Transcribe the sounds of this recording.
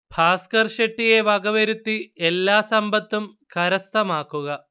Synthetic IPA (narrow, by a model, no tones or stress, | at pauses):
pʰaːskɐrʂeʈːije̞ʋɐɡɐʋɐɾut̪ːielːaːsɐmbɐt̪ːum | kɐɾɐst̪ʰɐmaːkːuɣɐ